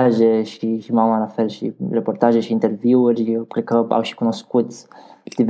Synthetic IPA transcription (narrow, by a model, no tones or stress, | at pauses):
aʒeʃiʃimawmanafɛlʃḭrepoɾt̪aʒeʃiint̪eɾviwɾikɾikəa̰wʃi̥kunoskut̪d̪̥iv